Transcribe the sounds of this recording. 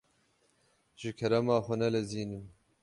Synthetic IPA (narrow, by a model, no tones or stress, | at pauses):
ʒɨkʰɛɾɐmɑːxʷʊnɛlɛziːnɨm